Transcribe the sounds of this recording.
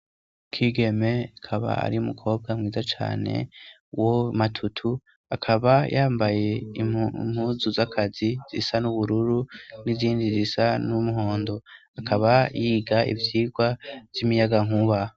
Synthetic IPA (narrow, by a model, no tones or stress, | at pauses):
kʰiːɡe̞me̞akʰaβa̰a̰ɾiumukʰo̞ːb̚ɡamŋiːzat͡ʃa̰ːne̞̰ | womatʰutʰu | akʰaβajʔaːmbaje̞imhuzuzakʰaziz̥ḭsanuβuɾuɾun̥iziːndizisanumuɦo̞ːndo̞ | akʰaβajiːɡaḭvjiːɡwavjimijaɡaŋuβa